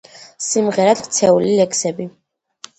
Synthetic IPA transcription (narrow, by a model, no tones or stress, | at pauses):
simʁɛɾad̪kʰt̪sʰɛulilɛkʰsɛbi